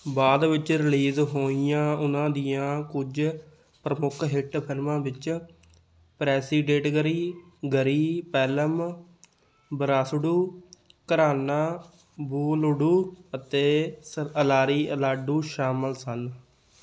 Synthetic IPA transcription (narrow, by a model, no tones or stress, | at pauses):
baːd̪ʋɪt͡ʃɾɪliːzɦoːijãːʊnãːd̪ɪjãːkʊd͡ʒ | pɾəmʊkʰɦɪʈpʰɪlmãːʋɪt͡ʃ | pɾɛːsiːɖeːʈɡəɾiːɡəɾiːpɛːləm | bəɾaːsɖuː | kəɾaːnaː | buːlʊɽuːət̪eːəlaːɾiːəlaːɖuːʃaːməlsən